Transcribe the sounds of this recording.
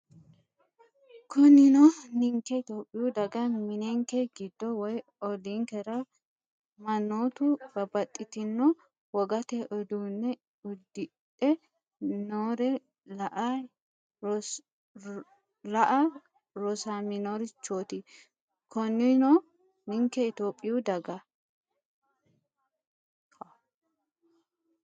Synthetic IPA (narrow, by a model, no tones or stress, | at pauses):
kʰɔnɪnɔnɪŋkɛt̪oːpʼːɪjud̪ɐɡɐmɪnɛŋkɛɡɪd̪ːɔwɔj | ɔdiŋkɛɾɐ | mɐnːoːt̪ʊbɐbɐt̪ʼːɪt̪ɪnːɔ | wɔɡɐt̪ɛʔɔd̪uːnːɛ | ʊd̪ːɪ | tʼːɛ | noːɾɛ | lɐʔa | lɐʔɐ | ɾɔsaːminoɾɪt͡ʃːoːt̪ɪ | kʰɔnːɪno | nɪŋkɛɪt̪oːpʼːɪjud̪ɐɡɐ